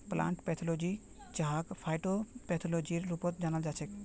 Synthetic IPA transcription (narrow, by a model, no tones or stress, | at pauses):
plã̰ːɳʈpɛt̪ʰɔlod͡ʒi | d͡ʒaɦakpʰajʈopɛt̪ʰolod͡ʒiɾːupɔt̪d͡ʒaːnəld͡ʒaːt͡ʃʰɛk